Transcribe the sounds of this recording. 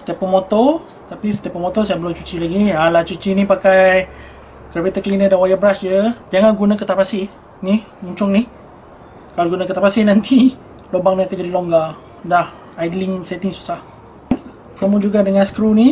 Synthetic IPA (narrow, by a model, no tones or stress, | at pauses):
sə̥t̪ɛpəmot̪o | t̪apisə̥t̪ɛpːəmot̪osajaʔbəlʊmt͡ʃut͡ʃilaɡialat͡ʃut͡ʃinipakaj | kərbet̪akəlinədanwajəbəɾasd͡ʒəd͡ʒaŋanɡunakət̪apasi | nih | uɲt͡ʃʊŋnih | kaloɡunakət̪apasiʔnant̪ʰi | lobaŋnat̪ad͡ʒadiloŋɡa | dah | ajdliŋsɛt̪ɪŋsu̥sah | səmud͡ʒuɡadəŋãnsə̥kɾuni